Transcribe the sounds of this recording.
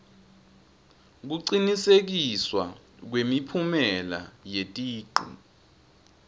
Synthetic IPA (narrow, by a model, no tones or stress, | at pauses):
k̬uǀinisek̬iswa | k̬wemipʰumɛla̰jetʼiːǃṵ